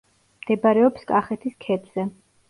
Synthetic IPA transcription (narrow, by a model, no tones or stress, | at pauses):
md̪̥ɛbaɾɛɔpskʼaχɛt̪ʰiskʰɛd̪ʰz̥ɛ